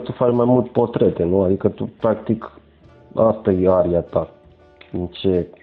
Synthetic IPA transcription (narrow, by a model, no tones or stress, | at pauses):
t̪ufat͡ʃmajmult̪po̞t̪ɾe̞t̪e̞nuad̪ikət̪upɾakt̪ik | ast̪ajeaɾiat̪a | int͡ʃe̞